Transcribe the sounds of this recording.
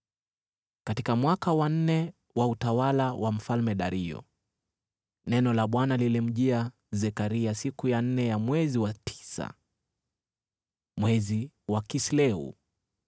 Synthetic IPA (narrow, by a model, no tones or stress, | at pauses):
katikamwakawan̩nɛ | wautawalawʔam̩falmɛɗaɾiɔ̰ | nɛnɔlaɓwanalilɛm̩ʄia | zɛkaɾiasikujan̩nɛjamwɛziwatʰi̥sa̰ | mwɛzi | wakislɛṵ